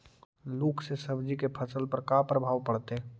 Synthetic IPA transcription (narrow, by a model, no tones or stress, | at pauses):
loːkʰsesəbd͡ʒikepʰəsəlpəɾkapɾəbʱaːʋpəɽt̪e